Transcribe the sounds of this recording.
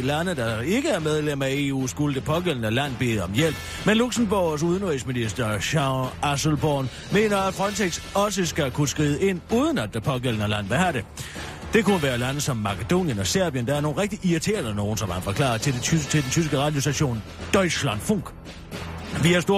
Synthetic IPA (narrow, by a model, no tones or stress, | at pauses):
lænəd̥ɑ̈e̝ɡ̥əæɐmeð̞ˠlem̰æe̝ːṵːsɡ̥uləd̥epʰɒ̽ɡ̥el̰n̩ɒlæn̰b̥e̝̰ːð̩ˠɒ̽mjel̰b̥ | menluɡ̥səmb̥os̬uð̞ˠnʁisminisd̥ɐɕɑæsl̩b̥ɒːn | me̝̰ːnɐæd̥fʁɒ̽nt͡sʰeɡ̥sɒ̽səsɡ̥ækʰusɡ̥ʁiːð̩ˠəe̝n̰uːð̞ˠən̩æd̥epʰɒ̽ɡ̥el̰n̩əlæn̰ʋæhæɾe̝ | d̥e̝kʰunəʋæːɐlænəsɒ̽mːɑ̈kʰəd̥o̝̰ːnjənɒ̽sæɐb̥jənd̥ɑæɐno̝ːnʁeɡ̥̚d̥iʔiit͡sʰe̝̰ːɐðˠəno̝ːn̩sɒ̽mhænfɒ̽kʰlɑ̰̈ːt͡sʰe̝̥et͡sʰe̝d̥ent͡sʰys̬ɡ̥əʁɑ̈ːd̥jo̝sd̥æɕo̝̰ːn | d̥ɒɪslæn̰̥fɔŋ̰ɡ̥ | ʋiæsd̥o̝ɐ